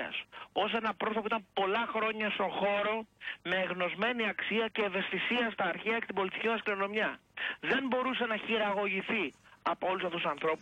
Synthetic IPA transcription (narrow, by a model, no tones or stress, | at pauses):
ɐ̰so̞s̬e̞nɐpɾoθopuit̪ɐmpo̞lɐxɾo̞ɲɐst̪o̞xo̞ɾo̞me̞ːɣno̞zme̞niɐksiɐce̞ːve̞st̪isiɐst̪ɐːɾçeɐeke̥t̪ibo̞lit̪i̥cimɐskliɾo̞no̞mɲɐ | ðe̞mbo̞ɾuse̞nɐçiɾɐɣo̞ʝiθiɐpoolusɐft̪usɐnθɾo̞pu